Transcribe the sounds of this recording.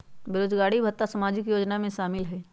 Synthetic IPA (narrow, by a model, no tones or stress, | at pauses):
bɪɾoːd͡ʒɡaːɽibʱɐt̪ːasɐmaːd͡ʒɪkjoːd͡ʒnamẽʃaːmɪlɦɛː